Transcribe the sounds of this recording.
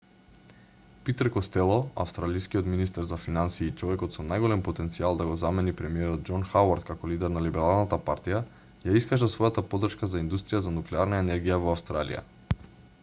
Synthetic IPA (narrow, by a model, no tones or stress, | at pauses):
pit̪ɾkɔst̪ɛlˠɔa̰fst̪ɾalijskiɔt̪minist̪ɛɾzafinansiːt͡ʃɔvɛkɔt̪sɔnajɡɔlɛmpɔt̪ɛnt̪sialˠd̪aɡɔzamɛnipɾɛmiɛɾɔd̪̚d͡ʒɔnxawaɾt̪kakɔlid̪ɛɾnalibɛɾalˠnat̪apa̰ɾt̪ija | jaiskaʒasvɔjat̪apɔd̪r̩ʃkazaind̪ust̪ɾijazanuklɛaɾnaɛnɛɾɡijavɔafst̪ɾalḭja̰